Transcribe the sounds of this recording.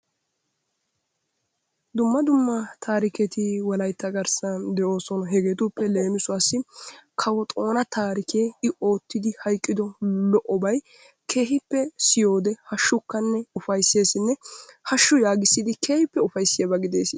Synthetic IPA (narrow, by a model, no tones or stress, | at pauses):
d̪ʊmːɐd̪ʊmːɐt̪ʰaːɾɪkɛt̪ɪwɐlɐjt̪ːɐɡɐɾsɐnd̪ɛʔo̞ːsɔnɔɦɛɡeːt̪ʊpːɛle̞ːnɪsʊɐsɪkʰɐwɔt̪ʼo̞ːnɐt̪aːɾɪkʰeːɪo̞ːt̪ːɪd̪ɪhɐjkʼːɪd̪ɔlɔʔɔbɐj | kʰe̞ːɦɪpːɛsɪjo̞ːd̪ɛhɐʃːʊkːɐnːɛʊfɐjsːe̞ːsɪnːɛhɐʃːʊjaːɡɪsːɪd̪ɪkeːhɪpːɛʊfɐjsːɪjɐbɐɡɪd̪e̞̰ːsɪ